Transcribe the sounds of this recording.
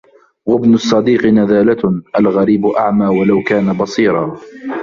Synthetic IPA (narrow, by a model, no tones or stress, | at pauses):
wabnʊsˤːɑd̪iːqɨnaðaːlaʔalɣaɾiːbʊʔaʕmaːwalawkaːnabɑsˤiːɾˤɑː